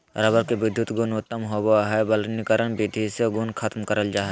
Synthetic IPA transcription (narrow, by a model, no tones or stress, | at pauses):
ɾabəɾkeʋɪd̪ʱːut̪ɡʊnʊt̪ːəmɦobaɦɛbəlnikəɾənbɪd̪ʱiseɡʊnkʰɐt̪mkəɾəld͡ʒaːɦɛ